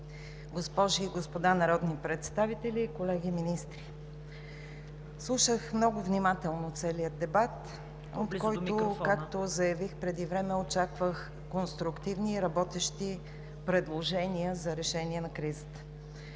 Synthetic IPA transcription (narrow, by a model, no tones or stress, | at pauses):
ɡospɔʒiːɡospod̪anɐɾɔd̪nipɾɛt̪st̪avit̪ɛlikolɛɡiminist̪ɾi | slˠuʃəxmnɔɡʊvnimat̪ɛlˠnot̪sɛliəd̪ɛbat̪ | ot̪kɔjt̪okakt̪ozɐjɐvixpɾɛd̪ivɾɛmɛot͡ʃakvəx | konst̪ɾʊkt̪ivniːɾɐbɔt̪ɛʃt̪i | pɾɛd̪lˠoʒɛniəzɐɾɛʃɛniɛnɐkɾizət̪ə̥